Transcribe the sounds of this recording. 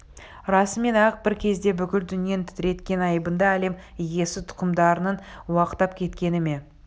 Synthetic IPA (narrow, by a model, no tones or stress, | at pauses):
ɾɑsəme̞næq̚b̥ɪɾkʲʰe̞zd̪e̞bʏkʲɪld̪ʏnije̞nt̪ʰɪ̥t̪ɪɾe̞t̪kʲe̞nɑjbənd̪ɑæle̞mije̞sɪt̪ʰʊ̥qəmd̪ɑɾənənwɑqət̪ːɑp̚kʲʰe̞t̪kʲe̞nɪme̞